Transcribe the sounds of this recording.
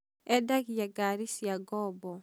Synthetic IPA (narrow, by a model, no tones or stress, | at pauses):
ɛdakjaɡaɾisjaɡɔbɔ